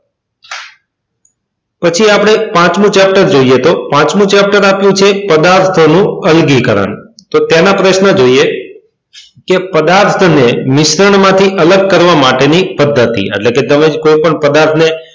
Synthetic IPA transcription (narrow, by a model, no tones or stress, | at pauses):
pət͡ʃʰiapəɽ̃epãt͡ʃmũt͡ʃɛp̚ʈəɾd͡ʒoiet̪opãt͡ʃmũt͡ʃɛp̚ʈəɾapjũt͡ʃʰepəd̪aɾt̪ʰonũəlɡikəɾə̰nt̪ot̪jenapɾəʃnəd͡ʒoie | kepəd̪aɾt̪ʰnemɪʃɾəɳmãt̪ʰiʔələɡ̚kəɾʋamaʈenipəd̪ʱːət̪ḭḛʈleket̪əmekoipəɳpəd̪aɾt̪ʰne